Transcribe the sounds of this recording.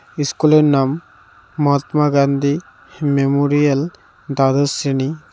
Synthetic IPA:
iskulenamː | ɔɦat̪maɡand̪i | memoɾijɐl | d̪ad̪əsini

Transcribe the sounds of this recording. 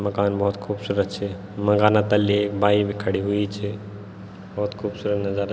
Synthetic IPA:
məkaːnbɔɦut̪kʰuːbsuɾət̪t͡ʃʰɛ | mə̃ŋɡanat̪əlːikbaibekʰəɽiɦuit͡ʃʰɛ | bɔɦut̪kʰuːbsuɾət̪nəd͡ʒəɾ

